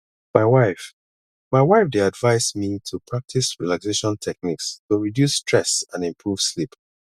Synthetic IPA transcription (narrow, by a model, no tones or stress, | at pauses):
maɪwaɪf | maɪwaɪfdeadvaɪsmitʰupʰɹak̚tʰisɹilakseʃɔ̃ntʰɛk̚nikstuɹidjusːtʰɹɛsãnĩmpʰɹuv̥slip